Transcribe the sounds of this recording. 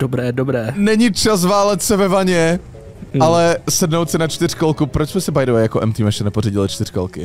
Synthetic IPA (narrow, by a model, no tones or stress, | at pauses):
d̥obɾɛːdobɾɛːnɛɲit͡ʃas̬vaːlɛt̪sɛvɛvaɲɛ | alɛsɛdnowt̪sɪnat͡ʃt̪ɪr̝̥kolkupɾot͡ʃsmɛsɛbajdowajakoʔɛmt̪imɛʃɛnɛporiɟɪlɪt͡ʃt̪ɪr̥ko̰lkɪ